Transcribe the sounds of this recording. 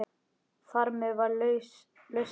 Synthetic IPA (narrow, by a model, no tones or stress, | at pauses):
θaɾmɛðvaɾ | lœɥs